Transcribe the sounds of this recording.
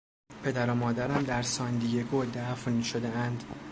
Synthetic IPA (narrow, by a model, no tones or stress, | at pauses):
pʰe̞d̪æɾomɒːd̪æɾæmd̪æɾsɒːnd̪ijeɡod̪æfnʃod̪eænd̪